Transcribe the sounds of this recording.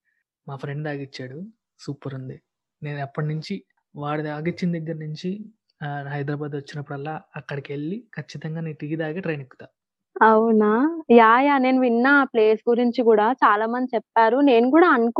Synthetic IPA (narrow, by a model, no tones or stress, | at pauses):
maːpʰɾe̞ɳɖaːɡit͡ʃːaːɽu | suːpɐɾund̪i | ne̞ːnɐpːɐʈinuɲt͡ʃi | ʋaːɽuaːɡit͡ʃːind̪ɐɡːɐɾɐnuɲt͡ʃi | ɦɐjd̪ɾɐːbaːd̪ʋɐt͡ʃːinɐpːuɽɐlːaːɐkːɐɽikeɭːikʰɐt͡ʃːit̪ɐŋɡaːneʈiːɡid̪aːɡeːʈɾɐjnikːu̥t̪aː | ɐwnaːjaːjaːne̞ːnuʋinːɐple̞ːsɡuɾiɲt͡ʃikuːɽaːt͡ʃaːlaːmɐnd̪it͡ʃɛpːaːɾune̞ːnukuːɽaːɐnk